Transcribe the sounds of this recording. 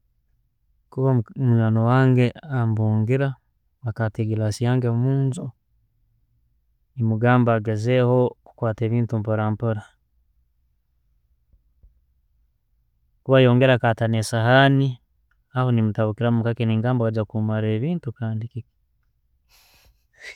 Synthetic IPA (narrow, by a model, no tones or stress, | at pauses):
kuβamuɲanowaːŋɡe̞ambuːŋɡiɾa | akateɡilasijaːŋɡemuːnzo | nimuɡaːmbaɡazeho̞ukwaːte̞ːβiːntumpoɾaːmpoɾa | kuβajoːŋɡeɾaːkatanesahani | ahonimutaβukiɾamumukakeniŋɡaːmboaɟakumaɾeːβiːntukaːndikiki̥